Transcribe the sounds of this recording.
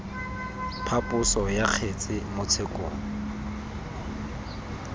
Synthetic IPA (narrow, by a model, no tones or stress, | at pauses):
pʰapʼʊsɔjaq͡χʰet͡sʼɪmʊt͡sʰekʼo̰ːŋ̩